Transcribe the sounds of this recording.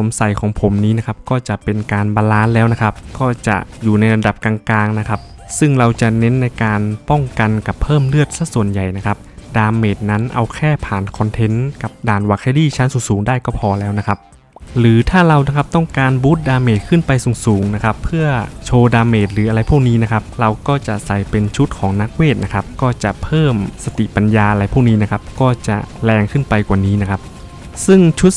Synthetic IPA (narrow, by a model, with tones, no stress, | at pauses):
so˩˦msa˨˩jkʰɔː˩˦ŋpʰo˩˦mniː˦˥na˦˥kʰa˦˥p̚kɔː˥˩t͡ɕa˨˩pe˧nkaː˧nbaː˧laː˦˥nlɛː˦˥wna˦˥kʰa˦˥p̚kɔː˥˩t͡ɕa̰˨˩ʔjuː˨˩na˧jla˧da˨˩p̚kaː˧ŋklaː˧ŋna˦˥kʰa˦˥p̚ | sɯ˥˩ŋɾa˧wt͡ɕa˨˩ne˦˥nːa˧jkaː˧npɔ˥˩ŋka˧nka˨˩pʰːɤː˥˩mlɯ˥˩ət̪̚sa˧˥˩su˨˩ənja˨˩jna˦˥kʰa˦˥p̚daː˧mːeː˨˩t̪̚na˦˥nʔa̰˧wkʰɛː˥˩pʰaː˨˩nkʰɔ˧nt̪ʰe˧˦˥nka˨˩p̚daː˨˩nwa˨˩k̚ha˧˥˩jdiː˥˩t͡ɕʰa˦˥nsuː˨˩˦ŋsuː˩˦ŋdaː˥˩jkɔː˥˩pʰɔː˧lɛː˦˥wna˦˥kʰa˦˥p̚ | ɾɯː˩˦t̪ʰaː˥˩ɾa˧wna˦˥kʰa˦˥p̚t̪ɔ˥˩ŋkaː˧nbu˦˥t̪̚daː˧mːeː˨˩t̪̚kʰɯ˥˩npa˧jsuː˨˩ŋsuː˩˦ŋna˦˥kʰa˦˥pʰːɯ˥˩ɐt͡ɕʰoː˧daː˧mːeː˨˩t̪̚ɾɯː˩˦ʔa˧ɾa˧jpʰu˥˩k̚niː˦˥na˦˥kʰa˦˥p̚ɾa˧wkɔː˥˩t͡ɕa˨˩ʔsa˨˩jpe˧nt͡ɕʰu˦˥t̪̚kʰɔː˩˦ŋna˦˥k̚weː˥˩t̪̚na˦˥kʰa˦˥p̚kɔː˥˩t͡ɕa˨˩pʰɤː˥˩msa˧t̪i˨˩pa˧njaː˧ʔa˧ɾa˧jpʰuː˥˩k̚niː˦˥na˦˥kʰa˦˥p̚kɔː˥˩t͡ɕa̰˨˩lɛː˧ŋkʰɯ˥˩npa˧jkwaː˨˩niː˦˥na˦˥kʰa˦˥p̚ | sɯ˥˩ŋt͡ɕʰu˦˥t̪̚